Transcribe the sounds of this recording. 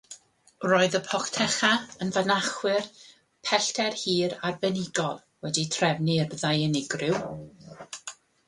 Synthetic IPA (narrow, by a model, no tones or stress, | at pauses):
roːɨðəpʰɔktʰɛχaənvanaχwɪr | pʰɛɬtʰɛrhiːɾarbɛnɪɡɔlˠ | wɛditʰrɛvnirðajɛnɪɡrɪw